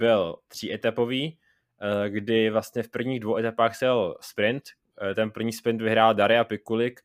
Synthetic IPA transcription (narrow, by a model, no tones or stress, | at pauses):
bɪlt̪r̝̥iːʔɛt̪apo̞viː | ɡdɪvlast̪ɲɛfpr̩vɲiːɣdvowʔɛt̪apaːxsɛlspɾɪnt̪ | t̪ɛnpr̩vɲiːspɾɪnt̪vɪɦɾaːldaɾɪapɪkulɪk